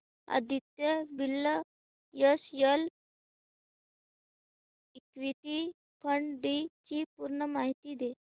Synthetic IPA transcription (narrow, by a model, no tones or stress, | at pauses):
a̰d̪it̪ːebilːə | jəsjəl | ikʋit̪i | pʰəɳɖit͡ɕipuɾɳəmaɦit̪id̪e